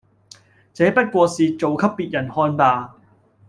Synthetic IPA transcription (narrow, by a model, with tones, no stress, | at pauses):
t͡sɛː˨˥pɐ˥t̚kʷɔː˧siː˨t͡so˨wkʰɐ˥pːiː˨t̚jɐ˨˩nhɔː˧npaː˨˧